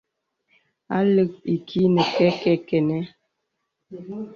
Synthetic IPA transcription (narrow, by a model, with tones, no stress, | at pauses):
a̰˦lə˨k̚i˨kʰi˦nə˨kɛ˦kɛ˦kɛ˨nɛ˦